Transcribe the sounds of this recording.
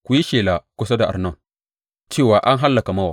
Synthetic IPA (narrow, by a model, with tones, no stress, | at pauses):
kʷu˨ji˦ʃeː˨laː˨kʷʊ˦sa˦da˨ʔa˨nɐ˦˨ŋ | t͡ʃeː˦˨waː˨ʔa˦ŋɦa˦lːɐ˨ka˨mɐ˦waː˨